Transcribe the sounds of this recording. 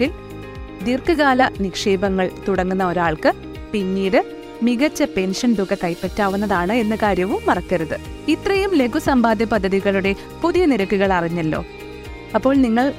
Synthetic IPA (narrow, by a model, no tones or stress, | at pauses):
il | d̪irkɨɣaːlɐnikʂe̞ːbɐŋːɐɭt̪uɽɐŋːunːɐo̞ɾaːɭkɨ | piɲːiːɽɨ | miɣɐt͡ɕːɐpe̞nʂɐnd̪uɣɐkɐjpːetːaːʋunːɐðaːɳɨe̞nːɐkaːɾjɐʋumːɐrɐkːɐɾuðɨ | it̪rɐjumle̞ɡusɐmbaːd̪ʱjɐpɐd̪ʱːɐðiɣɐɭuɽe̞ | puðijɐniɾɐkːuɣɐɭɐriɲːɐlːo̞̰ː | ɐpːo̞ːɭniŋːɐɭ